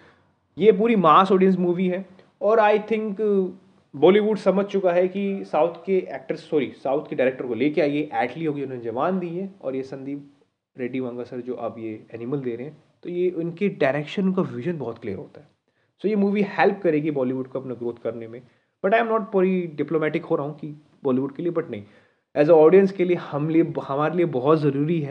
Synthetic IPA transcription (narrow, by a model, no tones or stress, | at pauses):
jep̬uːɾimaːsɔːɖiəns̬muːʋiɦɛ | ɔːɾaːɪt̪ʰɪ̃ŋk | bɔːliʋuɖsɐməd͡ʒʱt͡ʃʊkaɦɛkisaːʊt̪ʰkeʔɛːk̚ʈəɾsːɔːɾisaːʊt̪ʰkeɖaɪɾeːk̚ʈəɾkoleːkeaːieʔɛːʈliɦoːɡiʊnɦõned͡ʒɐʋaːnd̪iẽɔ̰ːɾjesɐ̃nd̪ʱi | ɾeːɖiʋãːŋɡasɐɾd͡ʒoːʔabjeɛːnɪməld̪eːɾeɦɛ̃ | t̪ojeʔʊnkeɖaɪɾeːkʃənkaʋɪʒənbɔɦɔt̪kliːəɾɦo̰ːt̪aɦɛː | soːjemuːʋihɛlp̚kɐɾeːɡibɔːliʋʊɖkoɐpnaɡɾoːt̪̚ʰkɐɾnemẽ | b̥ɐʈãːj̃mnɔːʈ̚pɔɾiɖɪploːmɛːʈɪkɦoɾaɦũki | bɔːliʋʊɖ̚keliebɐʈnɐɦĩ | ɛːzəɔːɖijə̃nskeliehɐmliehɐmaːɾeliebɔɦɔt̪zɐɾuːɾiɦɛː